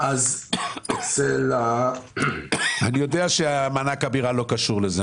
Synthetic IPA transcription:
az | sela | anijo̞deaʃeamanakabiʁalo̞kaʃuʁleze

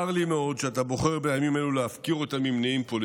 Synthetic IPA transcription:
aʁlimeo̞d̪ʃeat̪abo̞χe̞ʁbejamimeluleafkiʁo̞t̪amimneimpol

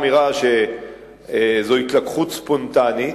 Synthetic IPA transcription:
miʁaʃe | zohit̪lakχut̪spont̪ani

